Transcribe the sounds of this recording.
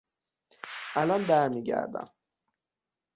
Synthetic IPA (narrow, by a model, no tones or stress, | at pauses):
ʔælɒnbæɾmiːɟæ̰ɾd̪æ̰m